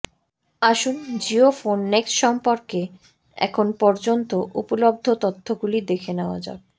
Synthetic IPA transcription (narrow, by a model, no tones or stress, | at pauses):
aʃund͡ʑiofonːeksʃɔmpoɾke | ɛ̰kʰonpɔɾd͡ʑont̪oʔupolob̚d̪ʱot̪ot̪ʰːoɡulid̪ekʰenea̰d͡ʑa̰be